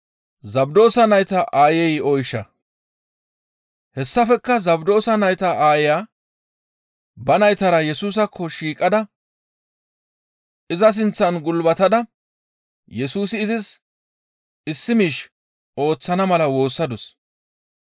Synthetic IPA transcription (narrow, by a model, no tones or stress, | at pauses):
zɐbd̪o̞ːsɐnɐjt̪ɐʔaːjɛjɔjʃɐ̰ | hɛsːɐfɛkːɐzɐbd̪o̞ːsɐnɐjt̪ɐʔaːjɪjaː | bɐnɐjt̪ɐɾɐjɛsuːs̬ɐkʰːɔʃiːkʼːɐd̪ɐ | ɪzɐs̬ɪnt͡sːɐnɡʊlbɐt̪ɐd̪ɐ | jɛsuːsɪːzɪs | ɪsːɪmiːʃ | o̞ːt͡sːɐnɐmɐlɐwo̞ːsːɐd̪ɔs